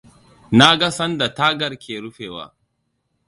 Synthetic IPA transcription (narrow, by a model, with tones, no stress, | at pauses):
na˦ɡa˦sɐ˦nda˨ta˦ɡɐ˨ɾkʰʲeː˨ɾʊ˦ɸeː˨wa̰ː˦